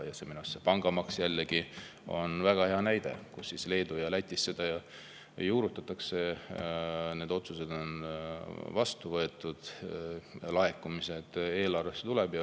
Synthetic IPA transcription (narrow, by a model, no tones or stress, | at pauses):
jɑseminusːepɑŋɡ̥ɑmɑksjælːeɡ̥i | o̞̰nvæɡ̥ɑhe̞ɑnæjd̪̥e̞̰kusːisle̞ːd̪ujɑlæt̪ʲːisse̞d̪̥ɑjɑ | juːɾut̪ːˑɑt̪ːˑɑkse̞ | ne̞d̪o̞t̪suse̞d̪̥o̞n | vɑst̪uvɤ̞e̞t̪ˑːud̪̥ | lɑekːˑumise̞d̪̥e̞ːlɑrve̞sːet̪ulɛb̥jɑ